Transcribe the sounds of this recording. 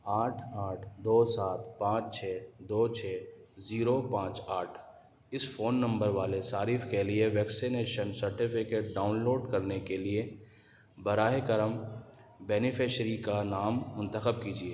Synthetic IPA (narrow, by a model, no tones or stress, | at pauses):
aːʈʰaːʈʰd̪oːsaːt̪̚ʰpãːt͡ʃt͡ʃʰɛːd̪oːt͡ʃʰɛːziːɾopãːt͡ʃaːʈʰ | ɪsfoːnːɐ̃mbəɾʋaːlesaːɾiːfkelieʋɛːksineːʃənsɐɾʈɪfɪkeːʈ̚ɖaːʊnloːɖkɐɾnekelie | bɐɾaːɦekəɾəm | bɛːnɪfʰeːʃɾikanaːmːʊ̃nt̪əxəb̚kiːd͡ʒieː